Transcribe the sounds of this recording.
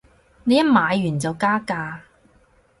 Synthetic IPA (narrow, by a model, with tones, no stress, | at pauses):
ne˨˧jɐ˥t̚maː˨˧jːyː˨˩nt͡sɐ˨wkaː˥kaː˧